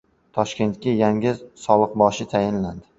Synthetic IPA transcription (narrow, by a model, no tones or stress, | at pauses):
t̪ʰɒʃkʲe̞nt̪̚kʲajaŋʲɪzsɒlˠɨq̚bɒʃɪt̪ʰajɪnland̪ɪ